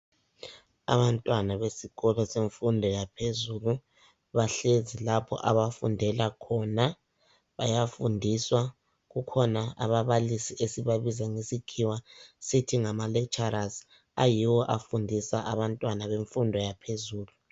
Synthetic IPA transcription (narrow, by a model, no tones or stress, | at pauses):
a̰βantʼwanaβesiɣɔlɔseɱfundʱɔjapʰezulu | βaɬezilapʰɔ̰ʔaβafṵndʱɛlakʰɔna | βa̰jafundʱiswa | ɣukʰɔnaa̰βaβalisiʔesiβaβizaŋesikʰiwasitʰiŋamalɛkt͡ʃʰʼaɾaz | a̰jiwɔʔafundʱisaʔaβantʼwanaβeɱfundʱɔjapʰezuːlu